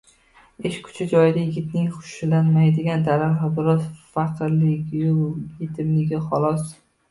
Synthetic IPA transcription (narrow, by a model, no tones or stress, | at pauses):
eʃkʰʊ̥t͡ʃʰad͡ʒɒjɪd̪ajɪɡʲɪt̪nɪŋχʊ̥ʃlanmajd̪ɪɡʲand̪aɾaɦabɪɾɒzfɑqʰɾlɪkʲjʊlˠjet̪ʰɪmlɪɡʲɪχɒlˠɒs